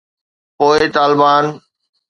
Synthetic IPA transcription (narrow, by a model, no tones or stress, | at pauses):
poːɪt̪aːlɪbaːn